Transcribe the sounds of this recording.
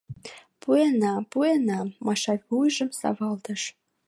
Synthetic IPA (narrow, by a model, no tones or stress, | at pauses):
puenɑpuenɑːɑʃɑjβujʒəmsɑ̰βɑlt̪əʃ